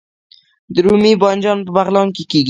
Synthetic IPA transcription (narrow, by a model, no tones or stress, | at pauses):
d̪ɾumibɑnd͡ʒɑnpəbaɣlɑnkikiɡ